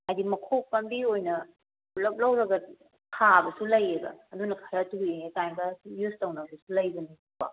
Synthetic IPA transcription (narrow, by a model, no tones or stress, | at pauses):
ajdimɐkʰok̚pɐmbiojnɐ | lɐp̚lɐwɾɐɡɐ | kʰabɐsulɐjebɐ̰ːdunɐkʰɐɾɐtuenetajɡɐjustɐwnabɐsulɐjbɐniobɐ̰